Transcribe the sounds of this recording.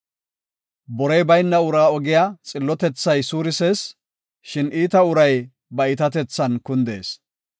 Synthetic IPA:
bɔɾɛjbɐjnːɐʊɾaːɔɡɪjaːt͡sʼɪlːɔt̪ɛt͡sːɐjsuːɾɪseːs | ʃɪniːt̪ɐʊɾɐj | bɐɪt̪ɐt̪ɛt͡sːɐnkʊnd̪e̞̰ːs

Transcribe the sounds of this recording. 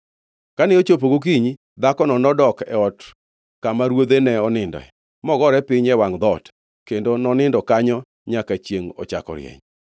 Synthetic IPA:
kanɛot͡ʃop̬oɡok̬iɲi | d̪akɔnɔnɔdɔkɛɔt | kamaɾwod̪enɛɔnɪndɔ̰ɛ̰ | mɔɡɔɾɛpɪɲɛwaŋd̪ɔt | kendonɔnɪndɔkaɲɔ | ɲakat͡ʃjeŋɔ̰t͡ʃa̰kɔ̰ɾj̰ɛ̰ɲ

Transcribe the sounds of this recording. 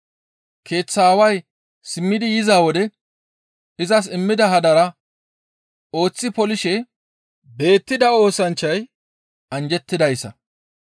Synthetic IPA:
kʰe̞ːt͡sːaːwɐj | sɪmːɪd̪ɪjɪzaːwɔd̪ɛ | ɪzɐs̬ɪmːɪd̪ɐɦɐd̪ɐɾɐ | o̞ːt͡sːɪpɔlɪʃɛ | be̞ːt̪ːɪd̪ɐo̞ːsɐnt͡ʃːɐj | ɐnd͡ʒɛt̪ːɪd̪ɐjsːɐ̰

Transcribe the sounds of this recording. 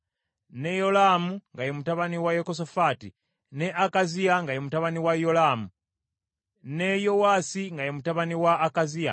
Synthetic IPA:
ne̞jo̞lamuŋɡajomutaβaniwajokos̬ofatḭ | ne̞ʔakazijaŋɡajomutaβaniwajo̞laːmu | ne̞jo̞waːsiŋɡajomutaβaniwaːkazia̰

